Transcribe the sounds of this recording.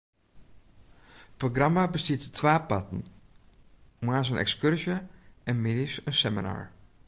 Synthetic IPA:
proɡrɑmabəstiːttʋaːpɑtən | maːɹs̬ənʔɛ̰kskɵɹʒəʔɛnmɪdisənsɛməna̰ːɹ

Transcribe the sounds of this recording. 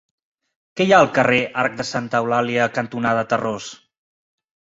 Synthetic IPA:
kɛjaəlˠkəreʔaɾk̚d̪əsant̪əwlaliəkənt̪unaðət̪əros

